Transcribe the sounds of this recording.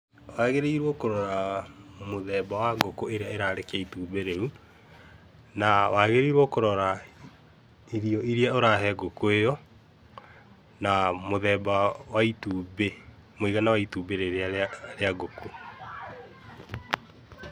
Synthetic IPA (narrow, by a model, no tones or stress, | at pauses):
waɣeɾeiɾwɔkoɾɔɾamoðɛbawaɡokoeɾeaeɾaɾekaituːbeɾeu | nawaɣeɾiɾwɔkoɾɔɾa | iɾiɔʔiɾjaoɾaɦɛɡokoejɔ | namoðɛːbawaituːbe | moiɣanawaituːbeɾeɾaɾeaɡokʰo